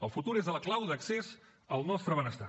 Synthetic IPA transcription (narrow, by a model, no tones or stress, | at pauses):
əlˠfut̪uɾezðələklawðəksez | əlˠnɔst̪ɾəβənəst̪a